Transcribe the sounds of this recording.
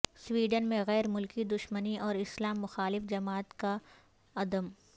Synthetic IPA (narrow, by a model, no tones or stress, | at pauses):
swiːɖənmẽɣɛːɾmʊlkid̪ʊʃməniʔɔːɾɪslaːmːʊxaːlɪfd͡ʒɐmaːt̪ka | ɐd̪əm